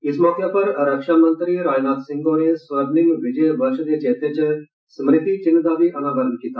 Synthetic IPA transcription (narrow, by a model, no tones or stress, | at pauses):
ɪsmɔːkepɐɾɾɐkʃaːmə̃nt̪ɾiɾaːd͡ʒnaːt̪sɪ̃ŋɡonesʋɐbnɪ̃ŋɡʋɪd͡ʒəbɐɾʃəd̪et͡ʃeːt̪et͡ʃ | smɾɪt̪it͡ʃɪ̃nːəd̪aːbiʔɐnaːʋəɾənkiːt̪a̰ː